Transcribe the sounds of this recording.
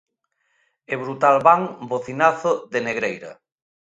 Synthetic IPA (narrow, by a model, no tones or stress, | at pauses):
eβɾut̪alβaŋboθinaθoðeneɣɾejɾɐ̰